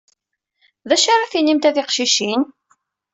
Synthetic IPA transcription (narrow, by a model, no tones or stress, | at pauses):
ðæʃaɾˤaθinimt̪æθɪqʃiʃin